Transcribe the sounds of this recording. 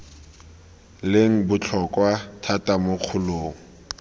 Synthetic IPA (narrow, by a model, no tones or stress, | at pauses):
leŋ̩bʊt͡ɬʰɔkwatʰatʼamoq͡χʰʊloːŋ̩